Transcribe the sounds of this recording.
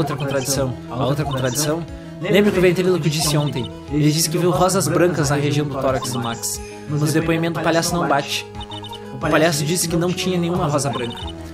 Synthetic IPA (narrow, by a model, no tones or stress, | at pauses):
wt̪ɾɐkõnt̪ɾad͡ʒisɐ̃w̃ɐowt̪ɾɐkõnt̪ɾad͡ʒisɐ̃w̃ | lẽmbɾʊkɪʊvẽñt̪evilʊkɪd͡ʒisɪõnt̪ẽj̃ | elɪd͡ʒisɪ̥kɪviwɦɔzɐzbɾɐ̃kɐznɐɦeʒiɐ̃w̃d̪ʊt̪ɔɾɐkɪsd̪ʊmaks | mɐɐzd̪epõj̃imẽt̪d̪ʊpaʎjasʊnɐ̃w̃bat͡ʃɪ̥ | ʊpaʎjasʊd͡ʒisɪ̥kɪnɐ̃w̃t͡ʃĩɲɐnẽɲ̃ũmɐɦɔzɐbɾɐ̃ŋkɐ̥